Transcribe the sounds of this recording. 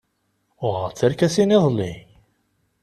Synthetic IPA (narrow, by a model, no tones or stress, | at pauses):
ʊʁəʁt͡sːəɾkæsiniðˤlːi